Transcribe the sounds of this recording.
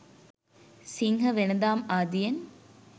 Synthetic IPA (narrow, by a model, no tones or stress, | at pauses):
siŋɦɐʋenɐd̪aːmaːd̪ijɐn